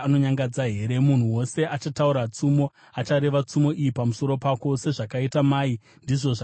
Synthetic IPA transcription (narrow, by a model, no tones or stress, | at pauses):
ano̞ɲaŋɡad͡zaɦe̞ɾe̞mun̤uwo̞se̞ʔat͡ʃatauɾat͡sumo̞ | at͡ʃaɾe̞ʋat͡sumo̞ʔijipamuso̞ɾo̞pako̞se̞ʐakaitamaːi | ndiʐo̞ʐa